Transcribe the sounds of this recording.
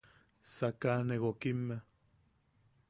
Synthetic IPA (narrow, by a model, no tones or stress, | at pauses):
sakaneɣokimːe